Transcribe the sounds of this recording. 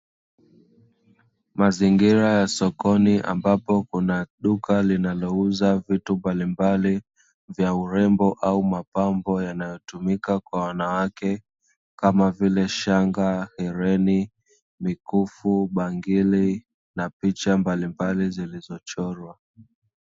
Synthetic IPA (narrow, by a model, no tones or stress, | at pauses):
maziŋɡiɾajasɔkɔniʔa̰mbapɔkunaɗukalinalɔuzavitumbalimbali | vjauɾɛmbɔʔaumapambɔjanajɔtumikakwawanawakɛ | kamavilɛʃaŋɡahɛɾɛni | mikufuɓaŋɡili | napit͡ʃambalimbalizilizɔt͡ʃɔɾwa